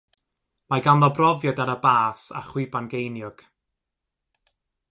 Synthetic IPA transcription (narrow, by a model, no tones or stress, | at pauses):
majɡanðɔbrɔvjɔdaɾəbaːsa̰χwɪbanɡejnjʊɡ̥